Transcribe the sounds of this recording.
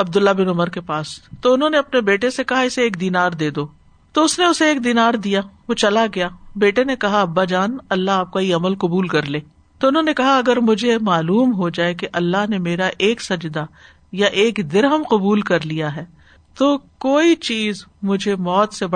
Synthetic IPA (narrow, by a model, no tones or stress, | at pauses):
ɐb̚d̪ʊlːabɪnʊməɾkepaːst̪oʊnɦõneɐpnebeːʈesekɐɦaɪseeːkd̪iːnaːɾd̪eːd̪oː | t̪oʊsneʊseːkd̪iːnaːɾd̪ijaʋot͡ʃɐlaɡɐjaːbeːʈenekɐɦaɐbːad͡ʒaːnɐlːaɦaːp̚kaiɐməlqʊbuːlkɐɾleː | t̪oʊnɦõnekɐɦaɐɡəɾmʊd͡ʒʱemaːluːmɦod͡ʒaːekeʔɐlːaɦnemeːɾaʔeːksɐd͡ʒd̪a | jaʔeːkd̪ɪɾɦəmqʊbuːlkɐɾlijaɦɛː | t̪oːkoːit͡ʃiːzmʊd͡ʒʱemɔːt̪seb